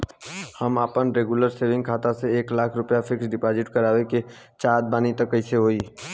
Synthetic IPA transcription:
həmaːpənɾeːɡjuləɾseːʋɪ̃ŋɡkʰaːt̪aseeːklaːkʰɾʊpjapʰɪksɖɪpaːd͡ʒɪʈkəɾaːweke | t͡ʃaːd̪̚baːnit̪əkːəɪseɦoːiː

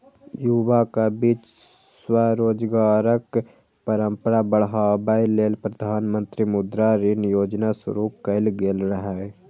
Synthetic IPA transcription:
jubakabiːt͡ʃswaɾoːd͡ʒɡaːɾək | pəɾə̃mpəɾabəɽɦaːbaileːlpɾəd̪ʱaːnmə̃nt̪ɾimʊd̪ɾaɾinjoːd͡ʒnasʊ̰ɾuːkəɪlɡeːlɾəɦae

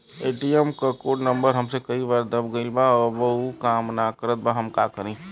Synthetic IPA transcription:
eʈiemkəkoʈnəmbəɾɦəmsekəibaɾd̪əbɡəɪlbaɔbəukamnakəɾət̪̚baɦəmkakəɾĩ

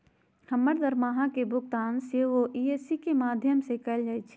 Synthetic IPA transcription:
hɐmːəɾd̪ɐɾmaːɦãkebʱʊɡ̚t̪aːnseʋoʔiːeːsikemaːd̪ʱjəmsekɛld͡ʒaːit͡ʃʰi̥

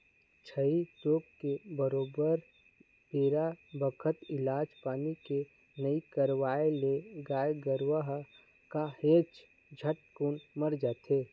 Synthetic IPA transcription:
t͡ʃʰəit̪oːkkebəɾoːbəɾ | peːɾabəkʰət̪ɪlaːd͡ʒpaːnike | nəikəɾwaːeleɡaːjɡəɾwəɦ | kaheːt͡ʃ | d͡ʒʱəʈ̚kuːnməɾd͡ʒaːt̪ʰeː

